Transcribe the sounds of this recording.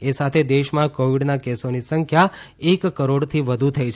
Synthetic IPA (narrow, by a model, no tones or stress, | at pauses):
esat̪ʰed̪eʃmãkoʋiɖnakesonisəŋkʰja | ekːəɾoɽt̪ʰiʋəd̪ʱut̪ʰəjt͡ʃʰ